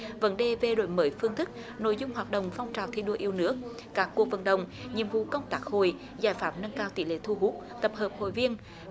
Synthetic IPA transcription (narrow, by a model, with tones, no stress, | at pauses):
və̰˧˦nɗe˨˩ve˨˩ɗo̰˧˨jməː˨˦jfɨ˧ŋt̪ʰɨ˦˥k̚ | no̰˧˥˨jzʊ˧ŋ͡mɦwaː˨˩t̚ɗə̰˧˨wŋ͡mfa˧wŋ͡mt͡ɕaː˨˩wt̪ʰḭ˧˩ɗo˧ʔi˧əwnɨ˦˥ək̚ | kaː˦˥kːu˨˩ək̚və̰˧˩nɗə̰˧˨wŋ͡mɲḭ˧˨əmvṵ˧˨kə˧wŋ͡mt̪aː˦˥k̚ho̰˧˨j | zaː˧˩jfaː˨˦mnə˧ŋkaː˧wt̪ḭ˧˦lḛ˧˩t̪ʰu˧ɦu˦˥k̚t̪ə˨˩p̚həː˨˩p̚ho̰˧˨jvi˧ən